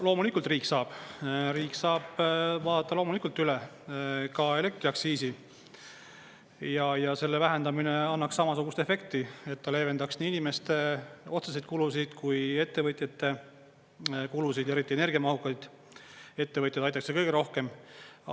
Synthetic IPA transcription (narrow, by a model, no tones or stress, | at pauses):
lo̞ːmulikːˑult̪ˑriːksɑːb̥ɾiːksɑːb̥vɑːt̪ːˑɑloːmulikːˑult̪ːˑyle | kɑe̞le̞k̚t̪riɑksiːsi | jɑjɑse̞lːe̞væɦe̞nd̪ɑmineɑnːɑksːɑmɑsuɡust̪e̞fe̞k̚t̪ie̞t̪ːɑle̞ːve̞nd̪ɑksniːinime̞st̪eo̞t̪ses̬ejt̪̚kulus̬id̪̥kuje̞t̪ːe̞vɤt̪ˑjɑt̪ːe̞ | kulusid̪̥e̞ɾit̪ːˑiene̞rɡ̥ijɑmɑɦukːˑɑjd̪̥ | e̞t̪ːe̞vɤt̪ʲjɑd̪̥ɑjt̪ːˑɑksekɤjɡ̥eɾo̞hke̞m